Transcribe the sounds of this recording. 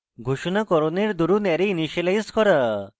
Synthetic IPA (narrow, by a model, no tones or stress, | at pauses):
ɡʱuʃɔnakɔɾɔneɾd̪uɾunɛɾeiniʃelajskɔɾa